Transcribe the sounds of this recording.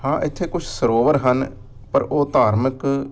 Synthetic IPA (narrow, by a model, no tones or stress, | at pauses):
hãːʔɪt̪ʰːeːkʊt͡ʃʰsəɾoːʋəɾɦən | pəɾoːt̪aːɾmək